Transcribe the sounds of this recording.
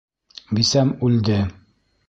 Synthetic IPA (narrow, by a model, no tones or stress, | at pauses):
bisæmʉld̪ɘ